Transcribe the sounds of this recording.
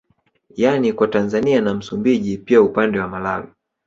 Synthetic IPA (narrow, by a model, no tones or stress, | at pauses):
janikwatanzanianam̩sumbiʄipiaupandɛwamalalɔ